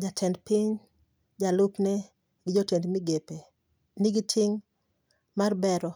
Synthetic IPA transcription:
d͡ʒatʰɛndpɪɲ | d͡ʒalʊpnɛ | ɡɪd͡ʒotjendmɪɡepe | niɡɪtʰɪŋ | marbɛɾɔ

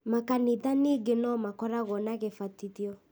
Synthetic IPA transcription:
makaniðaniɡenɔmakɔɾaɣɔnaɣefatiðiɔ

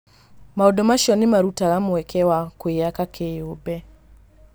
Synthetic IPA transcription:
maɔɗɔmaʃɔnimaɾutalamuwɛkʰɛwakuiakakʰeubɛ

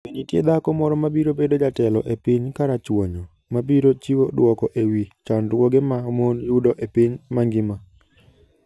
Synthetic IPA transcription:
wiɲitjḛd̪akɔmɔɾɔmabiɾobedod͡ʒatɛlɔʔepiɲkaɾat͡ʃwoɲɔ | mabiɾot͡ʃiwodwɔkɔʔewit͡ʃandwoɡemamonjudoʔepiɲmaŋɡɪma

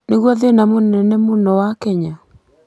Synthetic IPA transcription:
neɣwɔðenamonɛnɛmonɔwakɛɲa

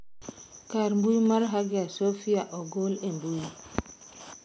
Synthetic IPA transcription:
kaɾmbujmaɾɦaɡiasofiaʔɔɡolembuji

